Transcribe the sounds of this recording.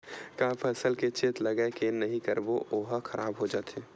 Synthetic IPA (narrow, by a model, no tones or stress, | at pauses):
kaːpʰəsəlket͡ʃeːt̪lɐɡəekenɐɦĩkəɾboʔoːɦaxɐɾʔaːbɦod͡ʒaːt̪ʰeː